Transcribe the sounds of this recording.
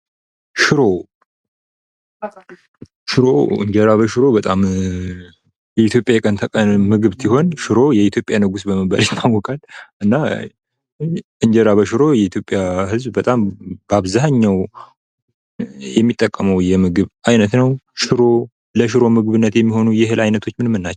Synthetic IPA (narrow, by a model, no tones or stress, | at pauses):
ʃɪɾo̞ | ʃɪɾo̞̰ɨ̰ɲd͡ʒɛɾaβəʃɨɾo̞bət̪ʼam | jɛit̪ʰjo̞pʼjajɛkʼənt̪ʰəkʼənmɨɡɨβsiho̞nʃɨɾo̞jɛit̪ʰjo̞pʼjanəɡusbəməbə̰ljɛt̪ʰːawɔkʼalʔɨnːa | ɨɲd͡ʒɛɾaβəʃɨɾo̞jɛit̪jo̞pʼjaɦɨzbbət̪ʼamb̥aβzahɲːaw | jɛmːit̪ʼːəkʼːəməwjɛmɨɡɨβʔajnət̪nəwʃɪɾo̞ | ləʃɨɾo̞mɨɡβɨnːət̪jɛmːiho̞nujɪɦɨlʔajnət̪ʰo̞t͡ʃːmɨnmːɨnːat͡ʃːw